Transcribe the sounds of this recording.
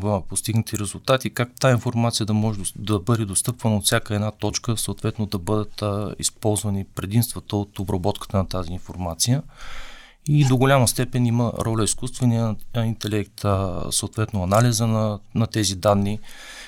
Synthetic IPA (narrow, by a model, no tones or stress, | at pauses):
post̪iɡnət̪ʰiɾɛzulˠt̪at̪ikak̚t̪ainfoɾmat̪sijəd̪ɐmɔʒɛd̪ɐbɤd̪ɛd̪ost̪ɤpvənɐot̪fsʲakəɛd̪nat̪ɔt͡ʃkəsoːt̪vɛt̪nod̪ɐbɤd̪ət̪ḭspɔlˠzvɐnipɾɛd̪imst̪vət̪əot̪obɾɐbɔt̪kə̥t̪ənɐt̪aziːnfoɾmat̪sijə | id̪oɡʊlʲamɐst̪ɛpɛnimə̰ɾɔlʲəiskust̪vɐniəint̪ɛlɛkt̪soːt̪vɛt̪nʊɐnalizənɐnɐt̪ɛzid̪anːi